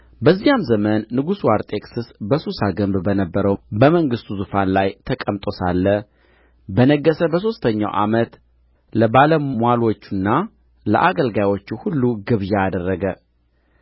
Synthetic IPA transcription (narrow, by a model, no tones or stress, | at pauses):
bəzːijamzəmənːɨɡusuaɾt̪ʼe̞kʼsɨsbəsusaɡəmbbənəbːəɾəwbəməŋɡɨst̪uzufanlajt̪ʰəkʼəmt̪ʼo̞salːə | bənəɡːəsəbəs̬o̞st̪ʰəɲːa̰wʔa̰mət̪ | ləbaləmmʷwalo̞t͡ʃːunːa | lə̰ʔaɡəlɡajwo̞t͡ʃːuhulːuɡɨβjaːd̪ərːəɡə